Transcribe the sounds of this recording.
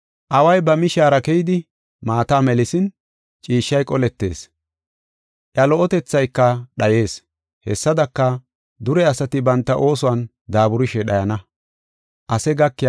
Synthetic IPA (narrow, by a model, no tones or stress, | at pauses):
ʔɐwɐjbɐmɪʃaːɾɐkɛjɪd̪ɪ | maːt̪aːmɛlɪsɪn | t͡ʃʼiːʃːɐjkʼɔlɛt̪ːe̞ːs | ʔjɐlɔʔɔt̪ɛt͡sːɐjkːɐɗɐje̞ːs | hɛ̰sːɐd̪ɐkːɐ | d̪ʊɾɛɐsɐt̪ɪbɐnt̪ːɐʔo̞ːsʊwɐn | d̪aːbʊɾɪʃɛɗɐjɐnɐ | ʔɐsɛɡɐkːɪ